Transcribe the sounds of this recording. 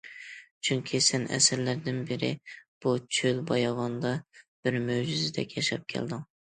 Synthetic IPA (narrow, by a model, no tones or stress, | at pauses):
t͡ʃʰyŋkʲʰisɛnɛ̰sɪɾlæɾd̪ɪnbɪɾɪ̰b̥ut͡ʃʰølbɑjɑvɑnd̪ɑb̥ɪɾmøwd͡ʒyzɪd̪ɛ̰kʲʰjɛʃɑp̚kʲʰɛ̰ld̪ɪŋ